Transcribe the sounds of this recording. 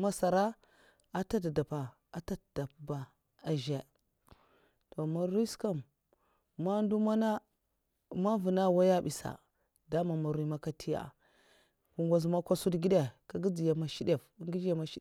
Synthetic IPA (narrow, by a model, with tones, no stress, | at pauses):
ma˦sa˨ɾa˦ | a˨˦ta˦tda˨pa˨ | a˨ta˦td̥a˨p̚ba˨ | a˨ʒe˨ | to˨ma˦ɾi˦ska˦m | ma˦ndu˦ma˦na˦ | ma˦vu˨na˦wa˦ja˦bi˨sa̰˨ | da˦ma˨ma˨ɾi˦ma˦ka˦tʰi˦ja̰˨ | ku˨ŋɡʷa˨z̬ma˦kʷa˦su˦dɡi˦de˦˨ka˦ɡi˦d͡zi˨ja˨ma˨ʃi˦de˨fŋɡi˦d͡ʒa˦ma˦ʃi˦